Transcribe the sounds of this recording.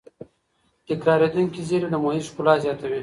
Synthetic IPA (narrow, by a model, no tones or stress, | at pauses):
t̪ɪkɾɑɾed̪uŋkizeɾid̪əmoiʃkʊlɑzjɑt̪awi